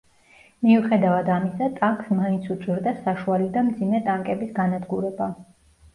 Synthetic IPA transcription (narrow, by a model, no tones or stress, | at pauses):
miuχɛd̪avad̪amisat̪ʼaŋksmaint̪sʰut̪sʼiɾd̪asaʃualid̪amd̪zimɛt̪ʼaŋkʼɛbisɡanad̪ɡuɾɛba